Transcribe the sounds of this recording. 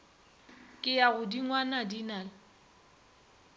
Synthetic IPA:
kʼɪjaɣʊdiŋwanadinaːlɪ

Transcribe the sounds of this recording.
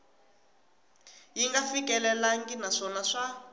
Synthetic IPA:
jiŋɡafikɛlɛlaŋɡinaʂɔnaʂa

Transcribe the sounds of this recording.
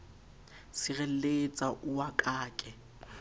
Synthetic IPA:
sɪɣɛlet͡sʼaʔʊwakʼaːkʼɛ

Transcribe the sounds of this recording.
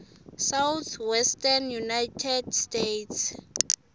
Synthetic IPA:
sawt̪ʰwɛstʰʼanjunajtʰɛdstetʰs

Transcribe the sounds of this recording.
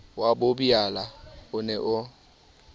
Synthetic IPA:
wabʊbialaʊnɛʔʊ

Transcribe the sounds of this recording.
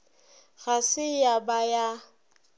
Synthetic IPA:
ɣasɪjabaja

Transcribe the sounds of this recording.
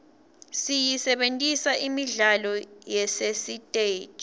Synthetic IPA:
sijisɛɓentʼisaʔimiɮalɔjɛsesitʼeːtʼ

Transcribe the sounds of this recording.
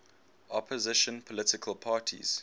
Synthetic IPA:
ʔɔpʰəzɪʃə̃npʰɔlɪtɪkʰəlˠpʰaːtʰḭz̥

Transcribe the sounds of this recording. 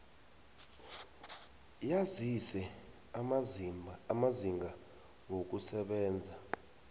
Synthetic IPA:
jazisɛ | maziŋɡa | ŋok̬usɛɓɛːnd͡zʱa

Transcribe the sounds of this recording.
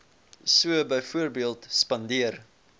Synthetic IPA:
suəbəjfuərbiəlˠtspɐndiər

